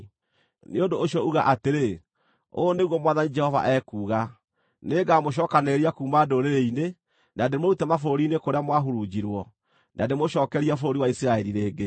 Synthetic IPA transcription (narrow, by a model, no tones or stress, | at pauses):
neondoːɕiɔuɣaʔateɾe | o̰neɣwɔmwaðanid͡ʒɛhɔva̰ʔɛkuːɣa | neːɡamoʃ̬ɔːkaneɾiakuːmadoɾeɾeine | nadeemoɾutɛmafooɾiːnekoɾeamwaɦuɾud͡ʑiɾwɔ | nademoʃɔːkɛɾiafooɾiwaisiɾaɛɾiɾeːɡe